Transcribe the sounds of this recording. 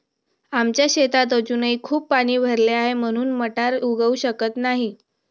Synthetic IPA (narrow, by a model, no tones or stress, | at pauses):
amt͡ɕjaɕet̪at̪̬əd͡ʑunəikʰuːpːpaɽ̃iːbʱəɾleaɦem̤əɽ̃uːnməʈaɾuɡəuɕəkət̪naɦi